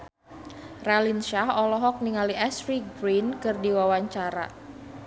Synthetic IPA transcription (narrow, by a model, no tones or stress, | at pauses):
ralinʃahɔlɔɦɔk̚niŋaliʔɛsɾibɾinkərdiwawaɲt͡ʃaɾa̰